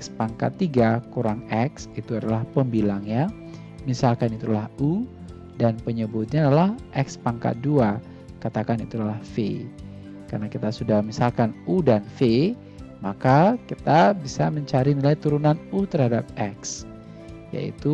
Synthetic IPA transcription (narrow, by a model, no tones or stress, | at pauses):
ɛkspaŋka̰t̪ːiɡakuɾaŋɛksit̪uadalahpəmbilaŋɲa | misalkanit̪ulahu | danpəɲəbʊt̪̚ɲaːdalahʔɛkspaŋka̰t̪̚dua | kat̪akanit̪ulahfḛ | karnakit̪asudahmisalkanudanfe | makakit̪abisaməɲt͡ʃaɾinilajt̪uɾunanut̪əɾhadap̚ɛks | ja̰ḭt̪u